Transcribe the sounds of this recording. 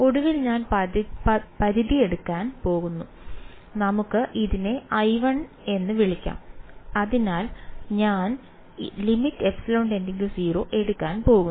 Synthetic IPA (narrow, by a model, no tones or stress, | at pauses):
o̞ɽuʋilɲaːn | pɐðiðie̞ɽukːaːnpo̞ːɣunːu | nɐmukːɨʔiðine̞ɐjʋɐɳ | e̞nːɨʋiɭikʲːa̰ːmɐðinaːlɲaːn | limitːɨe̞psɐlɐwɳɖe̞nd̪e̞ŋɡilumsiːro̞ːʔe̞ɽukːaːnpo̞ːɣu